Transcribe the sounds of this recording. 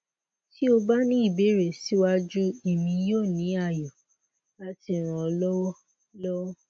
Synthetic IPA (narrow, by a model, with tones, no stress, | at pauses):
ti˦o˧ba˦nĩ˦i˦˨be˨˦ɾe˦˨si˨˦wa˦d͡ʒu˦i˦˨mĩ˧joː˦˨nĩ˨˦a˦˨jɔ˨ | la˦ti˧˨ɾ̃ã˨ɔ˧lɔ˦wɔ˦ | lɔ˦wɔ˦